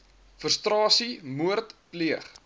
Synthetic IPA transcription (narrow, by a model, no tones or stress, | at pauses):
fərstrɑːsimuərtpliəχ